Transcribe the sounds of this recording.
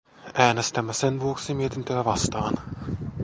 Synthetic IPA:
ʔæːɳast̪ɛmːasɛnvoːksɪmiːt̪ɪnt̪ʰøːvast̪ɑːn

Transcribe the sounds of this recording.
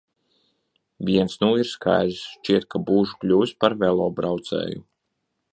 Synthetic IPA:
vʲiɛnsnuːiɾskʰa̰jlsʃt͡ʃiɛt̪̚kʰabuːʒu̥klʲuːspaɾvɛlˠɔːbɾawt̪sɛ̰ːju

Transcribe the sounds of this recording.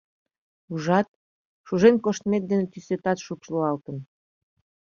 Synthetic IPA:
uʒɑt̪̚ | ʃuʒenkoʃt̪met̪̚d̪enet̪ysøt̪ɑt̪ʃukʃloɑlt̪ən

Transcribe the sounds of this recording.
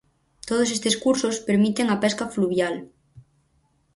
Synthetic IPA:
t̪oð̞osest̪eskuɾsospeɾmit̪eŋapɛskɐfluβjal

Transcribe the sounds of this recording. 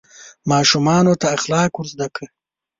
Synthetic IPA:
mɑːʃumɑːnot̪aːxlɑːkwuɾzd̪akʰə

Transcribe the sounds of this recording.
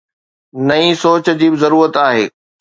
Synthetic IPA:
nɐĩsoːt͡ɕd͡ʑiːbɪzɐɾuːɾət̪aːɦeː

